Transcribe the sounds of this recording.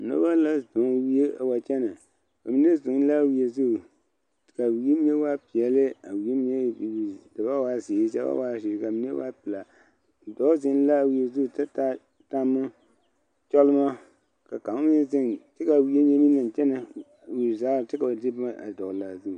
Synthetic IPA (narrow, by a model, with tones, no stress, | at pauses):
no̰˦ba˦la˦zʊ˨ŋ˦wi˦e˦a˨wa˨t͡ʃɛ˦na˨ | ka˨mi˨˦n˦e˦zʊ˨ŋ˦la˦˨wi˦e˨zu˦˨ | ka˨wi˦e˦mi˦e˦wa˦pi˨ɛ˨lɪ˦a˨wi˨˦e˦m˦ɲe˦˨ji˨dɨ˨ba˦wa˦zeː˨˦sa̰˦ba̰˦wa˦˨ʃi˨ɾka˨mi˨˦ḛ˦wa̰˦pɨ˨la˨ | dɔ˨˦zɪ˦n˦la˦˨wi˦e˦zu˦˨ta˦ta˦ | ta˦mːɨ˦ | t͡ʃɔ˦lɨ˦ma˦ | ka˨ka˨m˦mɪ˦n˦zɪ˦ŋtɪ˦ka˨wi˦e˦ɲe˦mi˦na˨n˨t͡ʃɛ˦na˨ | wi˨zaː˦ɾtɪ˦ka˨di˦ba˦ʔa̰˨dɔ˨la˨zu˦˨